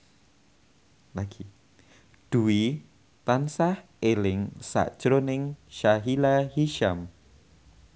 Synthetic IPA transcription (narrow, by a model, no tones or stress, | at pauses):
laɡ̥i | d̥ui | t̪ansah | elɪŋsa̰ʔd͡ʒ̥ɾonɪŋʃaɦilahiʃam